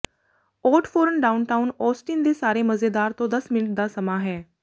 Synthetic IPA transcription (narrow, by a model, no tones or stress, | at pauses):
ɔːʈpʰoːɾənɖaːʊnʈaːʊnɔːsʈiːnd̪eːsaːɾeːməzeːd̪aːɾt̪õːd̪əsmɪnəʈ̚d̪aːsəmaːɦɛː